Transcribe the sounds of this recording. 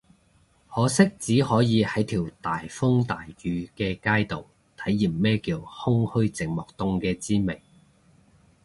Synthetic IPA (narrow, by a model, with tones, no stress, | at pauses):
hɔː˨˧˥sɪ˥k̚t͡siː˨˥hɔː˨˥jiː˨˧hɐ˨˥jt̪ʰiː˨˩wt̪aː˨˩jfʊ˥ŋt̪aː˨jjyː˨˧kɛː˧kaː˥jt̪o˨˩w | t̪ʰɐ˨˥jːiː˨˩mmɛː˥kiː˧whʊ˥ŋhɵ˥ɥt͡sɪ˨ŋ̚mɔː˨˩k̚t̪ʊ˧ŋkɛː˧t͡siː˥me˨˩ŋ